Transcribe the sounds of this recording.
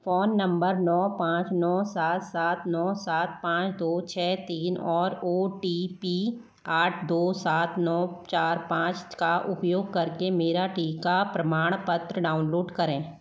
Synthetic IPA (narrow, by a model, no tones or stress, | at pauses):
foːnːə̃mbəɾnɔːpãːt͡ʃnɔːsaːt̪saːt̪nɔːsaːt̪̚pãːt͡ʃd̪oːt͡ʃʰɛːt̪iːnɔːɾoːʈipiː | aːʈʰd̪oːsaːt̪nɔːt͡ʃaːɾpãːt͡ʃkaʔʊpjoːɡ̚kɐɾkemeːɾaʈiːkapɾəmaːɽ̃pət̪ɾəɖaːʊnloːɖkɐɾẽː